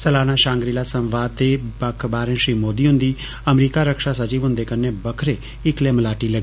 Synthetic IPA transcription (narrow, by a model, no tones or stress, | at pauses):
səlaːnaːʃãːŋɡɾiːlaːsə̃mʋaːd̪t̪ːeːbəkʰbaːɾẽːʃɾiːmoːd̪iːɦʊ̃nd̪iː | əmɾiːkaːɾəkʃaːsət͡ʃiːʋɦʊ̃nd̪eːkənːeːbəkʰɾeː | ɪkleːməlaːʈiːləɡi